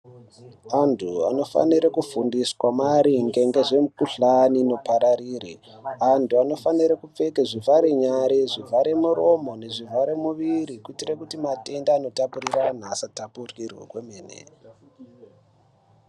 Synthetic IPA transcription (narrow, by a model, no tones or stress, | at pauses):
antʰua̰no̞fa̰niɾekufundiswamaɾiŋɡe̞ŋɡe̞ʐe̞mukuɬaniːno̞paɾaɾiːrḛ | antʰuano̞faniɾekup͡fe̞keʐivaɾeɲaɾeʐivaɾemuɾo̞mo̞ne̞ʐivaɾemuʋiɾikuitirekutimate̞ndaːno̞tapuriran̤aːsatapurkirwḛkwemeːnḛ